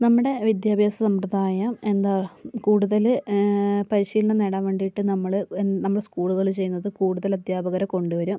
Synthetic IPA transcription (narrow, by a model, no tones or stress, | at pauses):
nɐmːuɽe̞ʋid̪jaːbʱjaːsɐsɐmprɐd̪aːjɐme̞nd̪aːkuːɽuðɐlɨ | pɐɾiɕiːlɐneneɽɐmʋe̞ːɳɖijʈːɨnɐmːɐɭɨennɐmːɐɽeskuːɭuðɐɭt͡ɕe̞jːunːɐðɨkuːɽuðɐlɐd̪ʱjaːbɐɣɐɾɐko̞ɳɖuʋɐɾum